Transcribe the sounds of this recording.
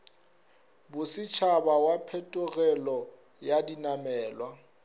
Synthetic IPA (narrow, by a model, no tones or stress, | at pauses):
bʊsɪt͡ʃʰabawapʰɛtʼʊɣɛlɔ | jadinamɛːlwa